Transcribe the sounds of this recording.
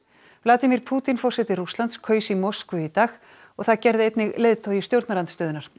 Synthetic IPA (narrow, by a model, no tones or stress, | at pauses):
vlaːt̪imiɾpʰuːt̪infɔrsɛt̪ɪrust̪ant̪skʰœːɥsimɔskʏit̪aːx | ɔɣθaðcɛɾðɪejt̪nɪɣleːðt̪ʰoːwjɪst̪jowɾt̪naɾant̪st̪œːðɪnaɾ̥